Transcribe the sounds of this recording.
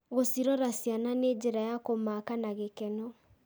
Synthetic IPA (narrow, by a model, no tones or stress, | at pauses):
ɣosiɾɔɾasjananeːd͡ʒeɾajakomakanaɣekɛnɔ